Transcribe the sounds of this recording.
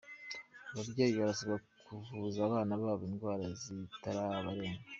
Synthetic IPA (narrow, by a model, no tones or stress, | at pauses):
aβabɟe̞ːjiβaɾasaβakʰuvuzaːβaːnaβaːβoiːnɡwaːɾazitaɾaβaɾeːŋɡa